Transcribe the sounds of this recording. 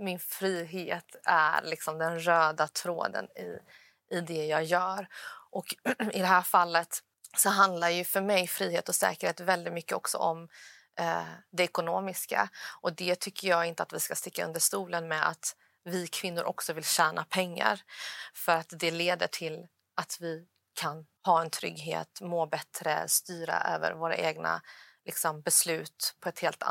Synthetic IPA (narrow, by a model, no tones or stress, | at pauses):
mɪnfɾiːɦeːt̪æ̰ɾlɪksɔmd̪ɛnɾøːd̪at̪ʰɾo̰ːd̪ə̰nɪ̰ | ɪd̪ɛjɑːɡjœːɾʔɔkɪd̪ɛɦæːɾfalːət̪ | sɔɦand̪laɾjɵfœɾmɛjfɾiːheːt̪ɔsɛ̰ːkəɾheːt̪vɛld̪ɪt̪mʏkːəɔksɔ̰ʔɔm | d̪ɛɛkʊnoːmɪska̰ʔɔd̪ɛt̪ʰʏkːəjɑːɡɪnt̪əat̪vɪskast̪ɪkːaɵ̰nd̪əʂt̪uːlənmɛa̰t̪ | vɪkʰvɪnːʊɾʔɔksɔvɪlɕæːnʔapʰɛŋːa̰ɾfœɾat̪d̪ɛleːd̪əʈʰɪl | ʔat̪vɪ | kʰan | hɑːɛnt̪ʰɾʏ̰ɡɦḛːt̪moːbɛt̪ɾə̰st̪yːɾa̰ʔø̰ːvə̰ɾvoːɾa̰ʔeːɡna̰lʔɪksɔmbɛslʉ̟ːt̪pʰɔɛt̪heːlt̪a̰